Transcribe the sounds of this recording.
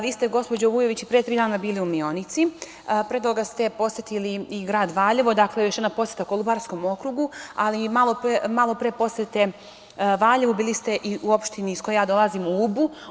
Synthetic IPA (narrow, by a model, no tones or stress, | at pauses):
ʋiːst̪eɡo̞spo̞d͡ʑoʋuːje̞ʋit͡ɕipɾeet̪ɾiːd̪aːnabiːliumionit̪si | pɾed̪oɡast̪e̞po̞sjet̪iliiɡɾaːd̪ʋaːʎeʋod̪aklejoʃjednaposjet̪akolˠubaɾsko̞mo̞kɾuɡualimalˠopmalˠo̞pɾepo̞set̪e | ʋaːʎeʋubiːlist̪e̞ʔiʔuopʃt̪inisko̞jejaːd̪o̞lˠazimuubu